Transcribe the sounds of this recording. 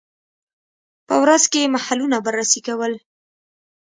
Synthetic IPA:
pəwɾazkemahalunabaɾːasikawəl

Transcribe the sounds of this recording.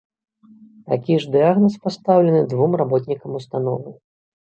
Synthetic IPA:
t̪akʲiʐd̪ɨaɣnɐspast̪awlʲɐnɨd̪vumrabɔt̪ʲnʲikɐmust̪anɔ̰vɨ

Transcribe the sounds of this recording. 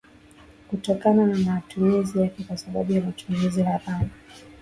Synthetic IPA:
kutɔkananamaːtuɛzijakɛkwasaɓa̰ɓujamat͡ʃuŋɡuzilapana

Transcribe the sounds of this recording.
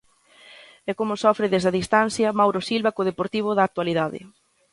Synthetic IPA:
ɛkomʊsɔfɾɪðezðɐðist̪anθjɐmawɾosilβɐkoð̞epoɾt̪iβ̞ʊðɐk̚t̪waliðaðɪ̰

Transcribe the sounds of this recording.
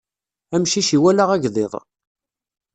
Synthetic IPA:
æmʃiʃiwælæʁæʝðˤɪðˤ

